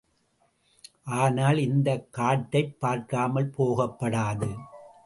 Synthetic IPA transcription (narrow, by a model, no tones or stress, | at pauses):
ʔaːnaːlɪnd̪ɐkːaːʈːɐɪpːaːɾkaːmɐlpoːɣɐpːɐɽaːðɯ